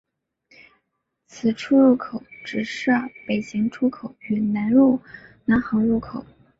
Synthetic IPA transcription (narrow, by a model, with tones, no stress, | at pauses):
t͡sʰɹ̩˨˩ʈ͡ʂʰu˥ɻu˥˩kʰo˨˩ʊʈ͡ʂɻ̩˨˩ʂə˥˩pe˨˩ɪɕɛ˧˥ŋʈ͡ʂʰu˥kʰo˨˩˦ʊy˨˩na˧˥nɻu˥˩na˧˥nxɑ˧˥ŋɻu˥˩kʰo˨˩˦ʊ